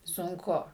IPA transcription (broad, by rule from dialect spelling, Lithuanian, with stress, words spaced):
sʊŋˈkʊ